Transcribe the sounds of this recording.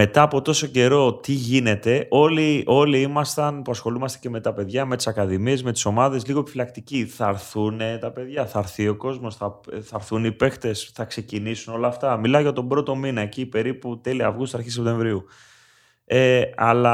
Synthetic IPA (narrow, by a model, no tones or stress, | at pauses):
me̞t̪ɐːpo̞t̪o̞so̞ce̞ɾo̞t̪iʝine̞t̪e̞ʔo̞liʔo̞liimɐst̪ɐnpuɐsxo̞lumɐst̪ece̞me̞t̪ɐpe̞ðʝɐme̞t̪i̥sɐkɐðimie̞zme̞t̪i̥so̞mɐðe̞zliɣo̞e̞pifilɐkt̪iciθɐɾθunet̪ɐpe̞ðʝɐθɐɾθio̞ko̞zmo̞sθɐθɐɾθunipe̞xt̪e̞sθɐkse̞cinisuno̞lɐːft̪ɐmilɐoʝɐt̪o̞bɾo̞t̪o̞minɐecipe̞ɾiput̪e̞liɐ̰ːvɣust̪sɐɾçis̬ept̪ẽ̞ɱvɾiu | eɐlɐ